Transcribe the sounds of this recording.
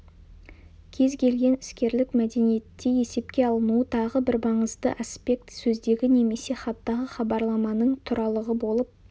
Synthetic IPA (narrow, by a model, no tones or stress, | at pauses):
kʲʰe̞zkʲʰe̞lɡʲe̞nɪ̥skʲe̞ɾlɪkmæd̪e̞nije̞t̪ːe̞je̞se̞pkʲe̞ɑlˠənuət̪ʰɑʁəbɪɾbɑɴəzd̪ə̰ʔaspʲe̞k̚t̪sɵzd̪e̞ɡʲɪne̞me̞se̞χɑt̪ːɑʁəχɑbɑɾlˠɑmɑnəɴt̪ʰʊɾɑlˠəʁəbo̞lˠəp̚